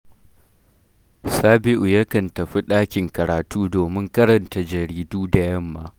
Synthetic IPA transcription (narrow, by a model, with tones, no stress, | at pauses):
saː˦bɪ˦ʔu˨jɐ˦kɐ˨ntɐ˨ɸi˦ɗaː˦kʲɪ˨ŋkɐ˨ɾaː˨tuː˦doː˨mɪ˦ŋkɐ˦ɾɐ˨nta˨d͡ʒɐ˨ɾiː˦duː˦da˨jɐ˦mːaː˦ʔ